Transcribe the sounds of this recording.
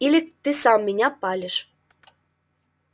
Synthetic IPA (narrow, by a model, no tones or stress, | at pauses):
ilʲit̪ːɨsɑmːinʲɑpɑlʲə̆ʃ